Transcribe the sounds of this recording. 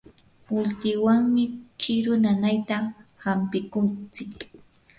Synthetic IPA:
mʊlt̪ɪwaŋmɪt͡ʃɪɾʊnanajt̪ahampɪkʊnt͡sɪk

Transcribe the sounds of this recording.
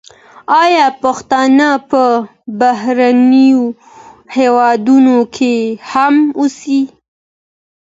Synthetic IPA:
ɑjɑpaxt̪ɑnəpə | baɦɾanijo | hewɑd̪unokʰehamusi

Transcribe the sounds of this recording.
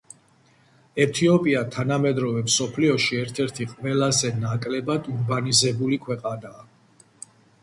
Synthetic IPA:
ɛt̪ʰiɔpʼiat̪ʰanamɛd̪ɾɔvɛmsɔpʰliɔʃiɛɾt̪ʰɛɾt̪ʰiqʼvɛlazɛnakʼlɛbad̪uɾbanizɛbulikʰwɛqʼanaː

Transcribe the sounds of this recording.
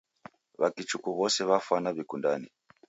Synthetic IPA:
βakit͡ʃukuβɔsɛβafwanaβikundani

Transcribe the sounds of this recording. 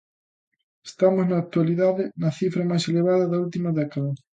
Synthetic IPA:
est̪amoznɐːk̚t̪waliðaðɪnɐθifɾɐmajseleβ̞aðɐðɐult̪imɐðɛkaðɐ

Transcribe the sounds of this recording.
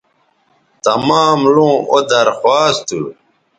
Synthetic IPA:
t̪ɐmaːmlõːod̪ɐɾxwaːst̪ṵ

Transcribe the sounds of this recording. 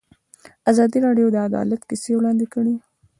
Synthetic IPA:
azɑd̪iɾɑɖjod̪əad̪ɑ̰lat̪kɪsewɽɑnd̪ikəɽi

